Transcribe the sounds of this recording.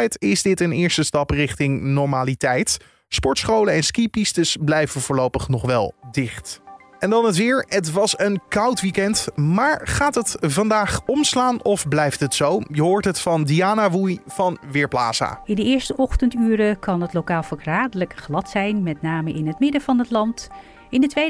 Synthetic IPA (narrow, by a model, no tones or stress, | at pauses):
jtɪzdɪtənɪːɹstəstɑprɪχtɪŋnɔɹmaːlitɛjt | spɔɹtsχowlənɛnskipistəsblɛjvənvʊːɹlowpəχnɔχʋɛ̰lˠdɪχt | ɛndɑnɦətʋɪːɹətʋɑsənkɑwtʋikɛntmaːɹχaːtɦətvɑndaːχɔmslaːnɔfblɛjftɦətsowjəɦoːɹtɦətfɑndiaːnaʋujv̥ɑnʋɪːɹpla̰ːsa̰ːɪndəɪːɹstəʔɔχtəntyːɾəkɑnɦətlowkaːlˠfɑɹkraːdələkχlɑtsɛjnmɛtnaːməʔɪnɦətmɪdəvɑnətlɑnt | ɪndətʋej